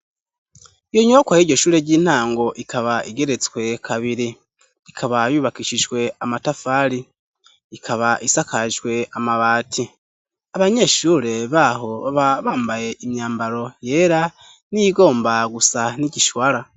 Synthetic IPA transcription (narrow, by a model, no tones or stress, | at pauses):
ijo̞ɲokwajiɾɟo̞ʃuːɾeɟiːn̥haːŋɡo̞ʔikʰaβaiɡe̞ɾe̞t͡swe̞kʰaβiɾi | ikʰaβajuːβakiʃiʒɡwe̞amatafaɾiː | kʰaβaʔisakʰaʒɡwe̞amaβaːtʰi | aβaɲe̞ʃuːɾe̞βaɦo̞βaβaːmbaje̞imɲaːmbaɾo̞je̞ːɾa | nijiɡo̞ːmbaɡusaniɟiʃwaɾa